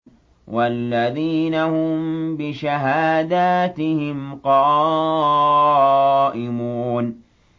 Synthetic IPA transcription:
wʔalːaðiːnahʊmbɪʃaɦaːd̪aːt̪ɪhɪmqɑː | ʔɪmuːn

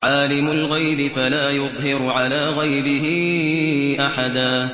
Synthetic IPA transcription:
ʕaːlɪmʊlɣajbɪfalaːjʊðˤɦɪɾʕalaːɣajbɪɦɪ | ʔaħad̪aː

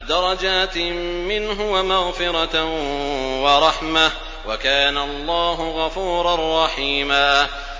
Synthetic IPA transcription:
d̪ɑɾˤɑd͡ʒaːt̪mɪnɦʊwamaɣfɪɾˤɑ | wɑɾˤɑħma | wakaːnaʔɑlˤːɑːɦʊɣɑfuːɾˤarˤːɑħiːmaː

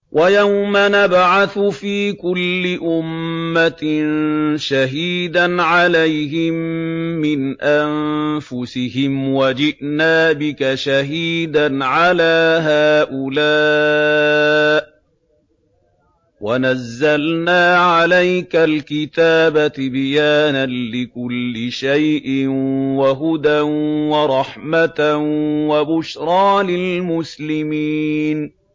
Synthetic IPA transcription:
wʔajawmanabʕaθʊfiːkʊlːɪʔʊmːat̪nʃaɦiːd̪anʕalajɦɪmːɪnʔanfʊsɪhɪmwad͡ʒɪʔnaːbɪkaʃaɦiːd̪anʕalaːɦaːʔʊlaː | ʔ | wanazːalnaːʕalajkalkɪt̪aːbat̪ɪbɪjaːnanlɪkʊlːɪʃajʔɪnwaɦʊd̪anwɑɾˤɑħmat̪wabʊʃɾˤɑːlɪlmʊslɪmiːn

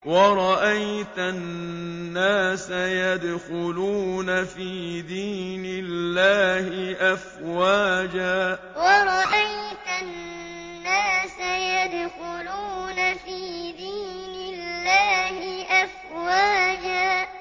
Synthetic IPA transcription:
wɑɾˤɑʔajt̪anː | aːsajad̪xʊluːnafiːd̪iːnɪlːaːhɪʔafwaːd͡ʒaː | wɑɾˤɑʔajt̪anː | aːsajad̪xʊluːnafiːd̪iːnɪlːaːhɪʔaf | waːd͡ʒaː

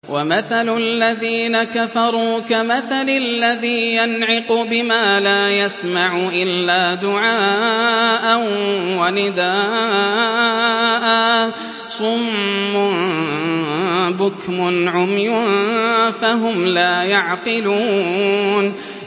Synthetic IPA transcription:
wʔamaθalʊlːaðiːnakafɑɾˤuːkamaθalallːaðiːjanʕɪqubɪmaːlaːjasmaʕʊʔɪlːaːd̪ʊʕaː | ʔanwanɪd̪a | ʔa | sˤʊmːʊ | bʊkmʊnʕʊmjʊ | faɦʊmlaːjaʕqɪluːn

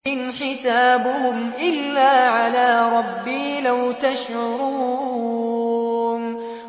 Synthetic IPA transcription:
ɪnħɪsaːbʊhʊmʔɪlːaːʕalaːɾˤɑbːiːlawt̪aʃʕʊɾu | n

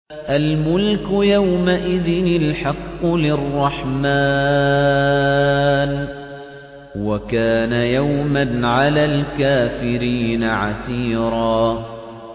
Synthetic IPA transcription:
ʔalmʊlkʊjawmaʔɪðɪnɪlħɑqːʊlɪrˤːɑħmaː | n | wakaːnajawmanʕalaːlkaːfɪɾiːnaʕa̰siːɾɑː

